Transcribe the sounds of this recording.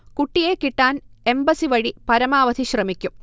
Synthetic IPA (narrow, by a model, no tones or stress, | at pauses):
kuʈːijekːiʈːaːne̞mbɐsiʋɐɻipɐɾɐmaːʋɐd̪iɕrɐmikʲːum